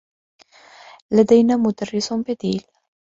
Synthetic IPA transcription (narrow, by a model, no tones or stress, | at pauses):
ləd̪ejnamut̪ərisomped̪il